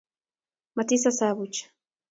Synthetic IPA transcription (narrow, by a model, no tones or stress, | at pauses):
mat̪isasaβʊt͡ʃḁ